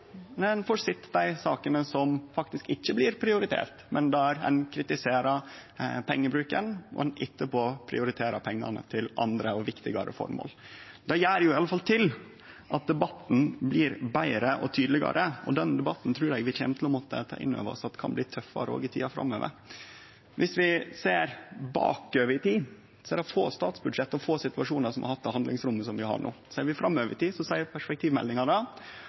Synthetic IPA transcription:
mɛnfɔsɪt̪ːd̪æɪsɑːkənəsɔmfɑk̚t̪ɪskɪçːəblɪɾpʰɾɪʊɾɪt̪ʰḛːɾt̪mʔɛnd̪ɛæɾɛ̰ɪnkʰɾɪt̪ɪseːɾɑpʰɛŋːəbɾʉːkənɔ̰ɛnʔɪt̪ːəpʰoːpʰɾɪ̰ʊɾɪt̪ʰeːɾɑpʰɛŋːɑ̰nə̰t̪ʰɪlʔɑ̰nd̪ɾəɔʋɪkt̪ɪɡɑɾə̰fɔ̰ɾmo̰ːl | d̪ɛjæːɾjʊɪɑlːəfɑlt̪ʰɪl | ʔɑt̪̚d̪ɛbɑt̪n̩blɪːɾbæɪɾəʔɔt̪ʰyːd̪lɪɡɑ̰ɾʔəɔ̰d̪ɛnd̪ɛbɑt̪ːn̩t̪ʰɾʉːɾɛɡʋɪçɛːnət̪ʰlɔmɔt̪ːə̰t̪ʰɑ̰ːʔɪ̰nːø̰ːʋəɾɔ̰sɑt̪ːkʰɑ̰nbliːt̪ʰœfɑ̰ɾəo̰ːɡɪt̪ʰḭːɑfɾɑ̰mːøːʋə̰ɾ | ʋʔɪsʋɪseːɾbɑ̰ːkøːʋəɾɪt̪ʰiː | sɔɛɛɑɾfoːst̪ɑːt̪sbʉd̪ʂɛt̪ːɔfoːsɪt̪ʉɑʂuːnəɾsɔmɑ̰ɾhɑt̪ːɛhɑnd̪lɪŋsɾʊmːəsɔmʋɪhɑ̰ɳo̰ːseːɾʋɪfɾɑmːøːʋəɾɪt̪iːsɔsæɪəɾpʰæʂpɛkt̪ʰiːʋmɛ̰lnɪŋɑnɑ

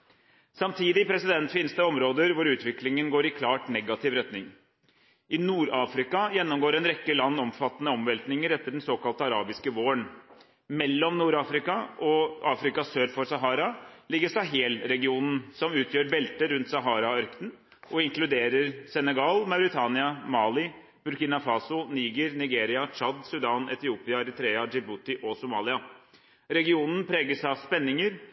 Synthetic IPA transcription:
sɑmt̪ʰiːd̪ɪpʰɾɛsɪd̪ɛnt̪fiːnəst̪əɔmɾoːd̪əɾʋʊɾʉːt̪ʋɪklɪŋənɡoːɾɪkʰlɑːʈnɛɡɑt̪ʰɪʋɾɛt̪nɪŋ | ʔɪnuːɾɑːfɾɪkɑjɛnːɔmɡoːɾɛnɾɛkːəlɑnːɔmfɑt̪ːənəɔmʋɛlt̪nɪŋəɾɛt̪ːəɖɛnsoːkɑlt̪əɑɾɑːbɪskəʋoːəɳ | mɛlːɔmnuːɾɑːfɾɪkɑʔɔɑːfɾɪkɑsøːɾfɔɾsɑɦɑːɾɑlɪɡːəʂɑɦeːlɾɛɡɪuːnn̩sɔmʉːt̪ʰjøːɾbɛlt̪əɾʉnt̪sɑɦɑːɾɑœɾkt̪n̩ | ʔɔɪŋklʉd̪eːɾəɾsɛnɛɡɑːlmɑʉɾɪt̪ʰɑːnɪɑmɑːlɪ | b̥ʉɾkɪːnɑfɑːsʊniːɡəɾnɪɡeːɾɪɑt͡ʃɑd̪sʉd̪ɑːnɛ̰t̪ɪuːpɪɑɑɾɪt̪ɾeːɑd͡ʒɪbut̪ɪʔɔsʊmɑːlɪɑ | ɾɛɡɪuːnən̩pʰɾeːɡəsɑʋspɛnːɪŋəɾ

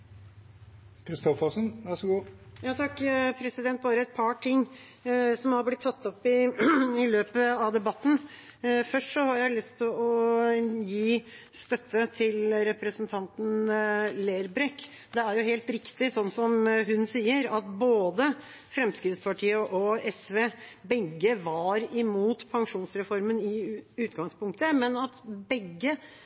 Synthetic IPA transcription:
kʰɾɪst̪ɔfɔsənʋæʂɔɡuːjɑːt̪ʰɑkːpʰɾɛsɪd̪ɛnt̪̚bɑːɾəɛt̪̚pʰɑʈʰɪŋː | sɔmhɑɾblɪt̪ʰːɑt̪ːɔpːɪɪløːpəɑʋd̪ɛbɑt̪ːn̩ | fœʂʈsɔhɑɾjæɪlʏst̪ʰɪlɔ | jiːst̪œt̪ːət̪ʰɪlɾɛpɾəsənt̪ʰɑnt̪n̩leːɾbɾɛkː | d̪ɛæɾjʊheːlt̪ɾɪkt̪ɪsɔnːsɔmɦʉnsiːəɾɑt̪boːd̪ə | fɾɛmskɾɪd̪spʰɑʈʰiːəʔɔɛsʋeːbɛɡːəʋɑɾɪmuːt̪pʰɑŋʂuːnsɾɛfɔɾmənɪʉːt̪ɡɑŋspʊŋk̚t̪əmɛnɑt̪bɛɡːə

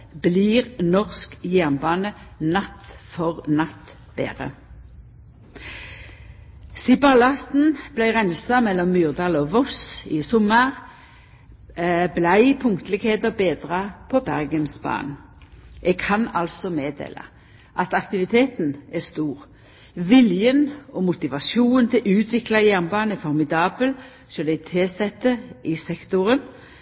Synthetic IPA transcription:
bliːʁnɔʁskjæʁnbɑːnənɑt̪ːfɔʁnɑt̪ː | b̥ḛːʁə̰ | sɪbɑlɑst̪n̩b̥læɪʁænsɑmɛlːɔmːyːʁd̪ɑːlɔːʋɔsɪsɔməʁ | blæɪpʰʊŋkt̪əlɪɡheːd̪əbeːd̪ʁɑpʰɔbæʁɡənsbɑ̰ːnʔɛɡ̚kʰɑnɑlsɔmeːd̪ḛːlɑ̰ | ʔɑt̪ɑkt̪ɪʋɪt̪ʰeːt̪nɛst̪uːʁ | ʋɪljənɔmʊt̪ɪʋɑsuːnnt̪ʰɪʔʉːt̪ʰʋɪklɑjæʁnbɑːnɛfɔʁmɪd̪ɑːbəl | sɔld̪ɛɪt̪ʰeːsɛt̪ːəʔɪsɛkt̪ʊʁən

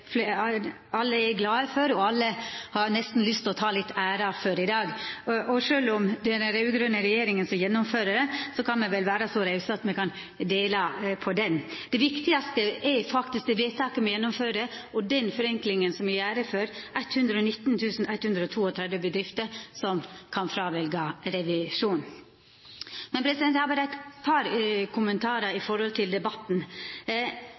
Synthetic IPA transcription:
fl | ɑlːəɛɡlɑːəfɔɾɔɑlːəhɑɾnɛst̪n̩lʏst̪ɔt̪ʰɑːlɪt̪ːæːɾɑføɾɪd̪ɑːɡʔɔʂøːlʊmd̪ɛnɾæʉɡɾœnːəɾɛjeːɾɪŋənsɔjɛnːʊmføːɾəɾəsɔkʰɑnmɛʋɛlʋæːɾɑsɔɾæɪsəɑt̪mɛkʰɑn | d̪eːlɑpʰɔd̪ɛnd̪̥ɛʋɪkt̪ɪɑst̪əɛɾfɑkt̪ɪsk̚d̪ɛʋeːt̪ʰɑːkəmɛjɛnːʊmføːɾəɔd̪ɛnfɔɾɛŋklɪŋənsɔmjɪjæːɾəføːɾʔæɪt̪hʉnd̪ɾəɔnɪt̪ːnt̪ʰʉːsn̩æt̪hʉnd̪ɾəɔt̪ʰuːɔt̪ʰɾɛd̪ʋəbəd̪ɾɪft̪əɾsɔmkʰɑnfɾɑːʋɛlɡɑɾɛʋɪʂuːn | mɛnpʰɾɛsɪd̪ɛnhɑʋɑɾæɪt̪pʰɑɾkʰʊmənt̪ʰɑːɾɑɪfɔɾhɔlt̪ʰɪld̪ɛbɑt̪n

